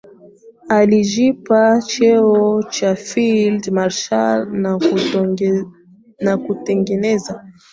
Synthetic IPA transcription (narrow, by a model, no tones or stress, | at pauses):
aliʒipat͡ʃɛɔt͡ʃafildmaɾʃalna | nakutɛŋɡɛnɛza